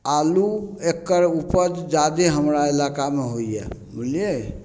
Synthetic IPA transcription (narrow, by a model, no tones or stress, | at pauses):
aluekːəɾupəd͡ʒd͡ʒad̪eɦəmɾaelakameɦojjɛ̰mulje